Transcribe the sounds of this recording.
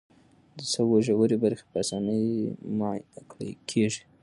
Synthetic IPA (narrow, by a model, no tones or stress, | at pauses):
d̪əsəwoʒawəɾebaɾxe̥pəasɑnəjmajakɽə̰kʰeʒi̥